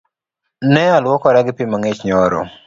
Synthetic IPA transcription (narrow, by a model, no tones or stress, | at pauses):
nɛalwɔkɔɾaɡɪpimaŋet͡ʃɲɔɾɔ̰